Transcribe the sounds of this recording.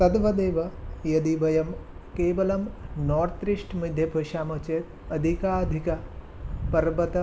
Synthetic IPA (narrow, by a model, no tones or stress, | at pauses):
t̪ɐd̪ʋɐd̪eːʋɐjɐd̪ibɐjɐmkeːʋɐlɐmnoːɾt̪ɾiʂʈmid̪ʱjɐbʱɐʃaːmɐt͡ʃeːt̪ | ɐd̪ʱikaːɐd̪ʱikɐ | pɐɾʋɐt̪ɐ